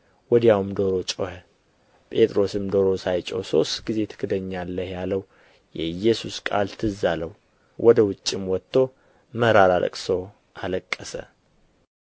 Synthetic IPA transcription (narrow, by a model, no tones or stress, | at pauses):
wɔd̪jawmd̪oɾo̞t͡ʃʼohə | pʼe̞t̪ʼɾo̞sɨmd̪oɾo̞sajt͡ʃʼo̰so̞̰st̪ɡize̞t̪ʰɨ̥kʰɨd̪əɲːalːəhjaləw | jɛɨjːɛsuskʼalt̪ʰɨzaləw | wʔɔd̪əwʊt͡ʃʼːɪmwɔt̪ːo̞ | məɾaɾalʔə̰kʼsow | ʔaləkʼːəsə̰